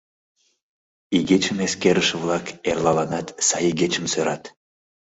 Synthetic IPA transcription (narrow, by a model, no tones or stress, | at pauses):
iɡet͡ɕəmeskeɾəʃvlˠɑkerlɑlɑnɑt̪sɑjiɡet͡ɕə̆msøɾɑt̪